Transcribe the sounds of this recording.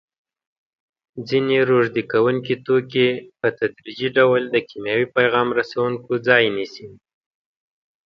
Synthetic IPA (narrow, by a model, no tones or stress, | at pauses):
d͡zineɾoʐd̪ikawuŋkit̪okepət̪ad̪ɾid͡ʒiɖawld̪əkimjɑwipajɣɑmɾasawuŋkod͡zɑjnisi